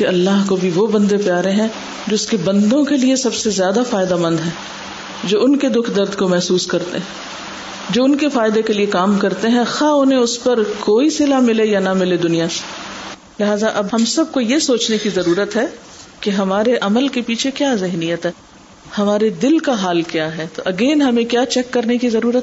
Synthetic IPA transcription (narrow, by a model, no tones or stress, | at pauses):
keɐlːaɦkobʱiʋobɐ̃nd̪epjaːɾẽɦɛ̃ | d͡ʒɪʊskebɐ̃nd̪õkeliesɐbsezjaːd̪afaːɪd̪aməɐ̃nd̪ɦɛ̃ː | d͡ʒoːʊnked̪ʊkʰd̪ɐɾd̪komɛɦsuːskɐɾt̪ḛɦɛ̃ | d͡ʒoːʊnkefaːɪd̪ekeliekaːmkɐɾt̪eɦɛ̃xaːʊnɦẽʊspɐɾkoːisɪlamɪlejanɐmɪled̪ʊnijase̥ | lɪɦaːzaʔɐbɦɐmsɐb̚kojesoːt͡ʃnekizɐɾuːɾət̪ɦɛː | keɦɐmaːɾeʔɐməlkepiːt͡ʃʰekjaːzɪɦnijət̪ɦɛː | hɐmaːɾed̪ɪlkaɦaːlkjaːɦɛt̪oʔɐɡeːnɦɐmẽkjaːt͡ʃɛkːɐɾnekizɐɾuːɾət̪